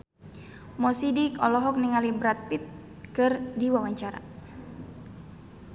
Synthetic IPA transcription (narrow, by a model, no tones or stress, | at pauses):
mɔsidikɔlɔɦɔk̚niŋalibɾat̪̚pit̪̚ | kɨrdiwawaɲt͡ʃaɾa̰